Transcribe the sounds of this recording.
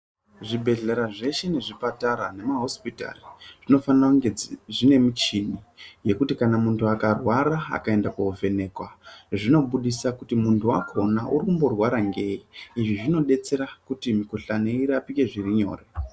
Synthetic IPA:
ʐibʱe̞ɮe̞ɾaʐe̞ʃe̞ne̞ʐipataɾane̞maɦo̞spita̰riʐ̥ino̞faniraŋɡeʐine̞mit͡ʃini | je̞kutikanamuntʰuakarwaɾaa̰kae̞ndakauvʱe̞ne̞ːkwaʐino̞ɓuɗisakutimuntʰua̰kʰo̞naʔuɾikumbo̞rwaɾaŋɡe̞iiʐiʐino̞ɗe̞t͡se̞ɾakutimiko̞ɬaneiɾapike̞ʐiriɲo̞̰ːre

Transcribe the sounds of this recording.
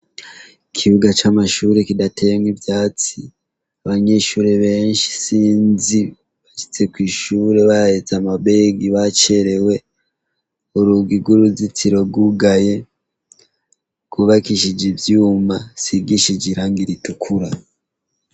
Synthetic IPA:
ikʰiβuɡat͡ʃamaʃuːɾekidatʰemɡibjaːt͡si | aβaɲe̞ʃuːɾeβe̞ːnʃi̥siːnzi | βaʃi̥t͡se̞kwiːʃuːɾe̞βahet͡samabe̞ɡiβat͡ʃeɾe̞we̞ | oɾuɡiɡwuɾuzit͡siɾo̞ɡuɡaje̞ | kuβakiʃid͡ʒivjuːmasiɡiʃid͡ʒiɾaŋɡiɾitukʰuɾa

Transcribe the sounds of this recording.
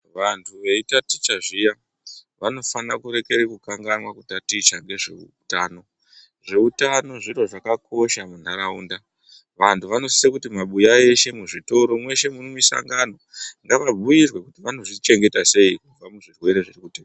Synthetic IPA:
ʋantʰuʋe̞itati̥t͡ʃaʐija | ʋano̞fanakuɾe̞ke̞ɾekukaŋɡanwakutatit͡ʃaŋɡe̞ʐḛu | taːno̞ | ʐeutano̞ʐiroʐakakʰo̞ʃamun̤aɾaṵːnda | ʋantʰuʋano̞sisekutimaɓujae̞ʃe̞muʐito̞ɾo̞mwe̞ʃe̞munomisa̰ŋɡano̞ŋɡaʋabujirwe̞kutiʋano̞ʐit͡ʃe̞ŋɡe̞tase̞ikuvamuʐirwe̞ɾe̞ʐirikuteː

